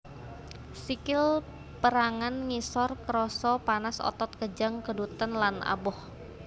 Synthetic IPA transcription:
sikɪl | pəɾaŋanŋisɔrkəɾɔsɔpanasɔ̰t̪ɔt̪̚kəd͡ʒaŋkədut̪ənlana̰bɔh

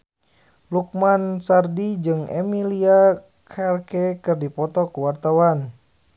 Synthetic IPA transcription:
luk̚mansardid͡ʒɨŋɛ̰milia | kʰɛrkɛkɨrdipɔt̪ɔkuwart̪awan

